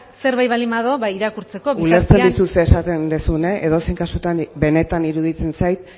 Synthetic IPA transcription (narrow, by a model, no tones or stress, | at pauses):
se̞ɾβajβalimaðoβaiɾakuɾt͡se̞ko̞βuleɾt͡send̪isuseːsat̪end̪esuneʔeðo̞sejŋkasut̪anbe̞ne̞t̪aniɾuðit͡se̞nsajt̪